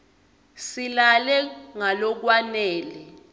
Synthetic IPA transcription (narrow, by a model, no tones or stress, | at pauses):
silalɛŋalɔk̬wanɛːlɛ